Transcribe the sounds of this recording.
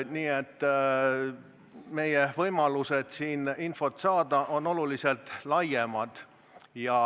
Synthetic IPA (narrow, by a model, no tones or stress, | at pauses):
niːet̪ˑː | me̞jevɤjmɑluse̞d̪̥siːninfo̞t̪ːsɑːd̪̥ɑʔo̞nːo̞lulise̞lt̪ːˑlɑjemɑd̪̥ | jɑ